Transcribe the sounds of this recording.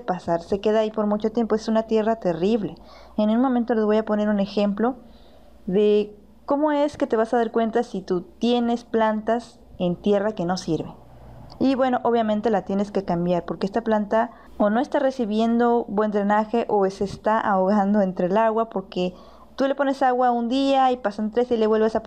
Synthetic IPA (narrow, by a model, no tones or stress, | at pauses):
pasaɾse̞ke̞ðaːipo̞ɾmut͡ʃo̞t̪je̞mpoe̞sunat̪je̞rat̪e̞riβle̞ | enunmomẽnt̪o̞lezβo̞japo̞ne̞ɾune̞xe̞mplo̞ | ðe̞ | ko̞mo̞e̞ske̞t̪e̞β̞asaðaɾkwe̞nt̪asit̪ut̪je̞ne̞splant̪as | e̞nt̪je̞rake̞no̞siɾβe̞ | iβwe̞no̞ʔo̞βjamẽnt̪elat̪je̞ne̞ske̞kambjaɾpo̞ɾkeest̪aplant̪a | ono̞e̞st̪are̞siβje̞nd̪o̞bwend̪ɾenaxe̞ʔoesest̪aʔaoɣand̪o̞ent̪ɾe̞laɣwapo̞ɾke̞ | t̪ule̞po̞ne̞saɣwaund̪iaipasant̪ɾesele̞βwe̞lβesa